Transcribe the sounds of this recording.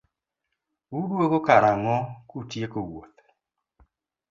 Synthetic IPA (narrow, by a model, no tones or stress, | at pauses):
udwoɣokaɾaŋɔkutjekoɡwot̪